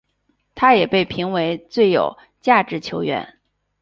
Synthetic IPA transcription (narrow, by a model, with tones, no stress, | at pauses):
t̪ʰa˥jɛ˨˩pe˥˩ɪpʰi˧˥ŋwe˧˥ɪt͡swe˥˩ɪjo̰˨˩ʊ | t͡ɕja˥˩ʈ͡ʂɻ̩˥˩t͡ɕʰjo˧˥ʊɥɛ̰˧˥˦n